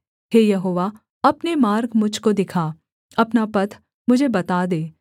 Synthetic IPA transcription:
ɦeːjɐɦoːʋa | ɐpnemaːɾɡmʊd͡ʒʱkod̪ɪkʰa | ɐpnapɐt̪ʰ | mʊd͡ʒʱebɐt̪aːd̪eː

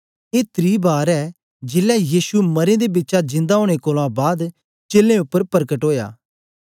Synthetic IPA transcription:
eːt̪ɾiːbaːɾɛː | d͡ʒɪlɛjiːsumɐɾẽd̪ebɪtːʃad͡ʒɪ̃nd̪aɦoːɽ̃ekoːlãbaːd̪ | t͡ʃeːlːẽʊpːəɾpəɾkəʈɦoːja̰ː

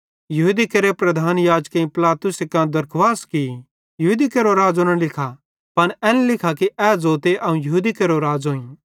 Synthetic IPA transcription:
jɐɦuːd̪ikeɾepɾɐd̪ʱaːnjaːd͡ʒkeĩpɪlaːt̪ʊsekãd̪ɐɾkʰʋaːski | jɐɦuːd̪ikeɾoɾaːd͡zonɐ̃lɪkʰa | pɐnɛːnlɪkʰakiʔɛːd͡zoːt̪eʔɐũjɐɦuːd̪ikeɾoɾaːd͡ʒɦõːĩ

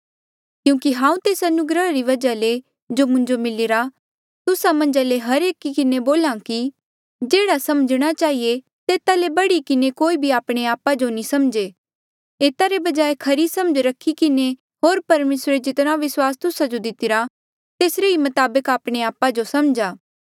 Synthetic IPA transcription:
kjũːkiɦãːũt̪eːsɐnʊɡɾəɾiʋɐd͡ʒale | d͡ʒomʊ̃ɲd͡ʒomɪlɪɾa | t̪ʊsamɐ̃ɲd͡ʒaleɦɐɾeːkːikɪneboːlãki | d͡ʒeːɽasɐmd͡ʒɽ̃at͡ʃaːɦije | t̪eːt̪alebɐɽikɪnekoːibʱiaːpɽ̃eaːpad͡ʒonĩsɐmd͡ʒe | eːt̪aɾebɐd͡ʒaːekʰɐɾisɐməd͡ʒɾɐkʰːikɪne | ɦoːɾpɐɾmeːsɾed͡ʒɪt̪ɽ̃ãʋɪswaːst̪ʊsad͡ʒod̪ɪt̪ɪɾa | t̪eːsɾeimɐt̪aːbəkaːpɽ̃eaːpad͡ʒosɐmd͡ʒaː

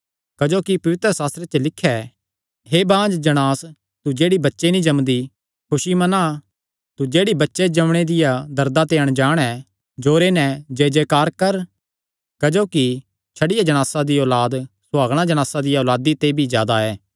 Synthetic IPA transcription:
kɐd͡ʒoːkipɐʋɪt̪ɾəsaːst̪ɾet͡ʃəlɪkʰːɛ | ɦeːbãːd͡ʒd͡ʒɐɽ̃aːs | t̪ud͡ʒeːɽibɐtːʃenĩd͡ʒɐmd̪i | kʰʊʃimɐna | t̪ud͡ʒeːɽibɐtːʃed͡ʒɐmɽ̃ed̪ɪjad̪ɐɾd̪at̪eːəɽ̃d͡ʒaːɽ̃ɛ | d͡ʒoːɾenɛd͡ʒeːd͡ʒekaːɾkɐɾ | kɐd͡ʒoːki | t͡ʃʰɐɽɪjad͡ʒɐɽ̃aːsad̪iɔːlaːd̪sʊaːɡɽ̃ad͡ʒɐɽ̃aːsad̪ɪjaɔːlaːd̪it̪ebʱizjaːd̪aɛː

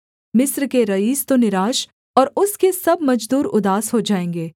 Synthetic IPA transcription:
mɪsɾkeɾɐiːst̪onɪɾaːʃ | ɔːɾʊskesɐbmɐd͡ʒd̪uːɾʊd̪aːsɦod͡ʒaːẽːŋɡeː

